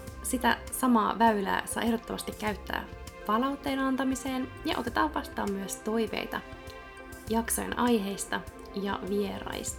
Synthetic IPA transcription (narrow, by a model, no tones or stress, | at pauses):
sit̪æ̰sɑmɑːʋæylæ̰ːsɑ̰jʔehdot̪ːomɑst̪ikːæyt̪ːæ̰ːpɑlɑwt̪ːe̞ːnɑnt̪ɑmise̞ːnjɑ̰ʔo̞t̪e̞t̪ɑːʋʋɑst̪ˑɑːmːyøst̪o̞jʋe̞̰jt̪ɑ | jɑksojḛnʔɑjɦe̞jst̪ɑ | jɑ̰ʋie̞ɾɑ̰jst̪ɑ̥